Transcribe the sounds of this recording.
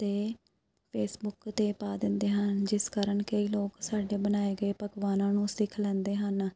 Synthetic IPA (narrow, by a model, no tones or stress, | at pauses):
t̪eː | pʰeːsbʊkt̪eːpaːd̪ɪnd̪eːɦənd͡ʒɪskaːɾəɳkəiːloːksaːɖeːbənaːeːɡəeːpəɡʋaːnãːnũːsɪkʰlɛ̃ːnd̪eːɦən